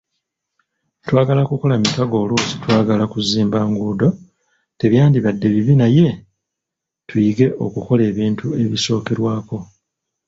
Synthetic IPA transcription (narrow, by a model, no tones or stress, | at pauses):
twaːɡalakuko̞lamikaɡo̞ːluːzitwaːɡalakuziːmbaːŋɡuːdo̞ | te̞βjaːndiβadːe̞βiβinaje̞ | tuiɡe̞ʔo̞̰kuko̞le̞ːβiːntʰue̞βiso̞ːkeɾwaːko̞